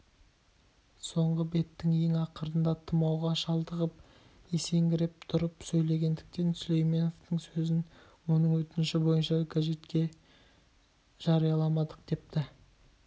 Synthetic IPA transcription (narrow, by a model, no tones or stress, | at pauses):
so̞ɴʁəbe̞t̪ːɪŋe̞ŋɑqəɾənd̪ɑt̪ʰəmɑwʁɑʃɑlˠd̪əʁəp̚ | e̞se̞ŋɡʲɪɾep̚t̪ʰʊɾəpsɵjle̞ɡʲe̞nd̪ɪk̚t̪e̞nslʲejme̞no̞ft̪əŋsɵzɪn | wo̞nəɴwɵt̪ɪnɪʃɪbo̞jənʃɑkʲʰaʒe̞t̪kʲe̞ | ʒ̥ɑɾijɑlˠɑmɑd̪əq̚d̪̥e̞p̚t̪ɪ